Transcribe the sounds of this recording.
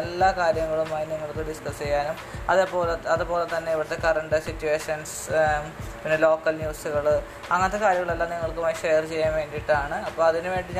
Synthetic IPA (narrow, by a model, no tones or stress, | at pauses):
elːaːkaːɾjɐŋːɐɭumaːjiniŋːɐɭkɨɖiskɐst͡ɕe̞jːaːnumɐðepːo̞ːleɐðɨpo̞ːlet̪ːɐnːe̞iʋiɽɐt̪ːe̞kɐrɐɳɖɨsitːueːʂɐns | pinːelo̞ːkːɐlnjuːsuɣɐɭ | ɐŋːɐnt̪ːekaːɾjɐŋːɐɭelːaːniŋːɐɭkɨmɐjiʂejɐrt͡ɕe̞jːaːnʋe̞ːɳɖiʈːaːɳɨɐpːoːɭɐðinɨʋe̞ːɳɖiɲ